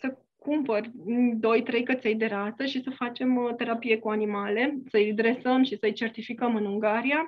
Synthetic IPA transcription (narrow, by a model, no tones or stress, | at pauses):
sə | kumpərʲɨnd̪o̞jt̪ɾe̞jkət̪se̞jd̪e̞ɾat̪səʃisəfat͡ʃe̞mt̪e̞ɾapije̞kuanimale̞səɨjd̪ɾe̞səmʃisəɨjt͡ʃe̞rt̪ifikəmɨnuŋɡaɾia